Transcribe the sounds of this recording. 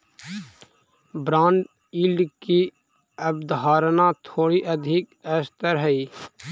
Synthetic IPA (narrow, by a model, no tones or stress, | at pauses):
bɾãːɳɖ | iːlɖki | əbd̪ɦaːɾnat̪ʰoːɽiʔəd̪ʱɪkɛːst̪əɾɦəiː